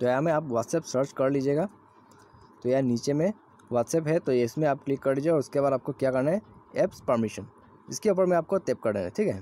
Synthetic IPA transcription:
t̪ojamẽaːpʋaːt̪sɛːpsəɾt͡ʃkɐɾliːd͡ʒeːɡaː | t̪ojaniːt͡ʃemẽ | ʋaːt̪sɛːpɦɛt̪ojeɪsmẽaːp̚klɪkːɐɾliːd͡ʒeɔːɾʊskebaːd̪aːp̚kokjaːkɐɾnaɦɛɛːpspɐɾmɪʃən | ɪskeʊp̬əɾmẽaːp̚kot̪eːp̚kɐɾd̪ḛ̃ŋḛʈʰiːkɦɛ

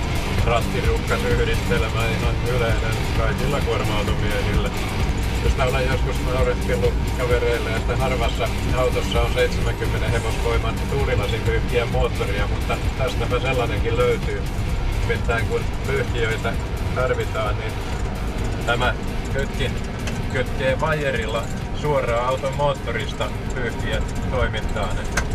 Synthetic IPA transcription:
prɑt̪ːirukːɑnyhɾist̪elemæːninonyleinen | kɑikilːɑkormɑut̪umiæhilːæ | jost̪æolejjoskusnɑuret̪kelːu | kɑʋereilːæjɑsi̥t̪ænɑrʋɑsːɑ | ɑut̪osːɑonseit̪semæŋkymːeneheʋosʋoimɑnt̪uːlilɑsiykːiæmmoːt̪ːoriɑmut̪ːɑt̪æst̪æmæselːɑneŋkilløyt̪yː | mit̪ːæːŋkunpyhk̪iøit̪æt̪ɑrʋit̪ɑːnnin | t̪æmæ | kyt̪kin | køt̪keːʋɑjerilːɑ | suorɑːɑut̪omoːt̪ːorist̪ɑ | pyːhk̪ient̪oimint̪ɑːnet̪ːæ

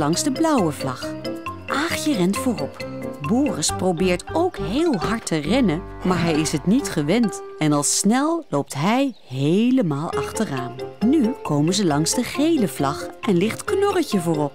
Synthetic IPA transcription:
lɑŋzdəblʌwəvlɑχʔaːχjərɛntfʊːrɔpbʊːrəsprobɪːɹtowkɦeːlˠɦɑɹtərɛnə | maːɹɦɛjɪsɦətnitχəʋɛnt | ɛnɑlˠsnɛlˠlowp̚tɦɛj | ɦejləmaːlˠɑ̰χtəraːnnykʰowmənzəlɑŋzdəχejləvlɑχʔɛnlɪχtknɔrəcəvʊːrɔp̚

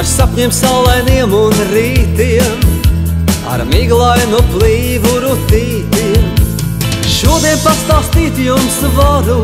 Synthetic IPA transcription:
aɾsapɲɛmsawlˠajniɛmunɾiːt̪iɛm | a̰ɾmiɡlˠajnuplˠiːvuɾut̪iːt̪iɛm | ʃuɔd̪iɛnpast̪aːst̪iːt̪jumsvaɾu

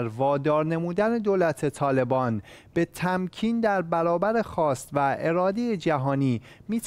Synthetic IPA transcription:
ɾvɒːd̪ɒːɾne̞muːd̪æne̞d̪oːlæt̪ʰe̞t̪ʰɒːle̞bɒːnb̥e̞t̪ʰæmcʰiːnd̪æɾbæɾɒːbæɾe̞xɒːst̪væʔe̞ɾɒːd̪ejed͡ʒæɦɒːniː | miːt̪ʰ

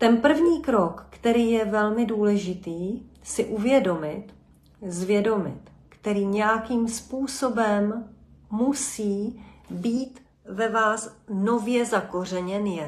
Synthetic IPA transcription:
t̪ɛnpr̩vɲiːkɾo̞kːt̪ɛɾiːjɛvɛlmɪduːlɛʒɪt̪iːsɪʔuvjɛdo̞mɪt̪ | zvjɛdo̞mɪt̪ | kt̪ɛɾiːɲɛjakiːmspuːso̞bɛmː | usiːbiːt̪ | vɛvaːsno̞vjɛzako̞r̝ɛɲɛnjɛ

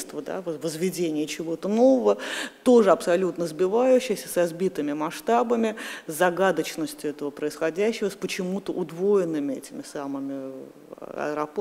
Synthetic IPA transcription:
st̪vəd̪a̰vvəzvʲɪdʲenʲɪjət͡ɕɪvo̞t̪əno̞vəvət̪o̞ʐɨɐpsɐlʲut̪nəzbʲɪvajʉɕːɪjəsʲəsɐzbʲit̪ɨmʲɪmɐʂt̪abəmʲɪzzɐɡad̪ət͡ɕnəsʲtʲjʊɛt̪əvəpɾəɪsxɐdʲæɕːɪvəspət͡ɕɪmut̪əʔʊd̪vojɪnːɨmʲɪɛ̰tʲɪmʲɪsamɨmʲɪ̰ | ɐ̰əɾɐp

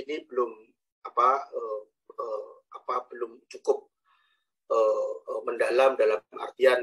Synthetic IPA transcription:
inibəlʊm | apaə | əapabəlʊmt͡ʃukʊp̚ | əəməndalamdalamʔa̰rt̪ian

